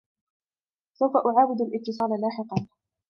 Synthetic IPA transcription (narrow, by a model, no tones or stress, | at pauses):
sawfaʔʊʕaːwɪd̪alʔɪb̚t̪ːɪs̬ˤɑːlalaːħɪqɑn